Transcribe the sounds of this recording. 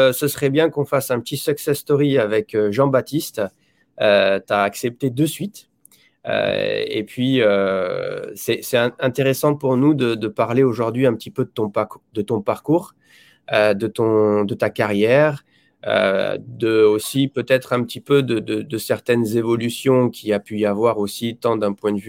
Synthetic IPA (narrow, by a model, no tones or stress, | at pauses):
səsəχɛbjɛ̃kɔ̃fasɛ̃pət̪isœksɛst̪ɔʁiavɛkøʒɑ̃bat̪ist̪ | øt̪aːksɛp̚t̪ed̪əsɥit̪ | ø̰ḛpɥiø | sɛsɛɛ̃ɛ̃t̪eʁesɑ̃puʁnud̪əd̪əpaʁleoʒuʁd̪ɥiɛ̃pət̪ipød̪ət̪ɔ̃pd̪ət̪ɔ̃paʁkuːʁ | ød̪ət̪ɔ̃d̪ət̪akaʁjɛʁ | ø̰d̪əosipøt̪ɛt̪χɛ̃pət̪ipød̪əd̪əd̪əsɛʁt̪ɛnzevɔlysjɔ̃kʲʰiapyavwaʁosit̪ɑ̃d̪ɛ̃pwɛ̃d̪əvy